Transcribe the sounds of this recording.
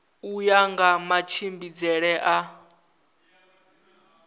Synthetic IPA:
ujaŋɡamat͡ʃʰimbid͡zɛɺɛʔa

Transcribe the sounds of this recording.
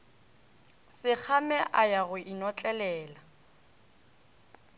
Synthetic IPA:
sɪk͡xʰamɛʔajaɣʊʔinɔt͡ɬʼɛlɛːla

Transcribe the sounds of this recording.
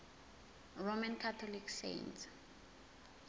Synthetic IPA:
romankʰatʰɔlikʰsḛnts

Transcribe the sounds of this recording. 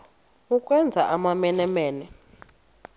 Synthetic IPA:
uk̬ʼwɛnd͡zʱaʔamamɛnɛmeːnɛ

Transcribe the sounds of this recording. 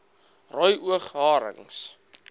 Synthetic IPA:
rɔjʔuəχɦɑːɾə̰ŋs

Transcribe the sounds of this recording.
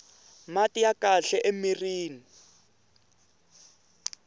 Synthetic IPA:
matijakaɬɛʔemiriːni

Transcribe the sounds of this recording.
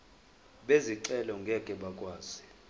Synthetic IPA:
ɓeziǀɛlɔŋɡʱɛkʼɛɓakʼwaːz̥i

